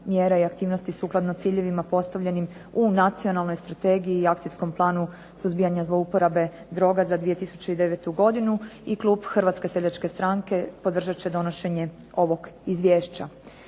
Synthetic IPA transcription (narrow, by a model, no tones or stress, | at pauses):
mjeːɾaiakt̪iːʋno̞st̪isuːklˠad̪not̪siːʎe̞ʋimapo̞st̪aʋʎe̞nim | unat̪sio̞nalˠno̞jst̪ɾat̪e̞ːɡijiːakt̪isko̞mplˠaːnu | suzbiːjaɲazlˠo̞upo̞ɾabe̞ | d̪ɾo̞ɡazad̪ʋije̞t̪isu̥t͡ɕeid̪e̞ʋet̪uɡo̞d̪inuiklˠuːbxr̩ʋat̪ske̞seʎat͡ʃke̞st̪ɾaŋke̞po̞d̪r̩ʒat͡ɕed̪o̞no̞ʃe̞ɲe̞ | o̞ʋo̞ɡizʋjeːʃt͡ɕa